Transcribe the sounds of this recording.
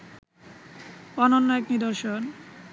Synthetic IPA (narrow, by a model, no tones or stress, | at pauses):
ɔnonːoeknid̪oɾʃon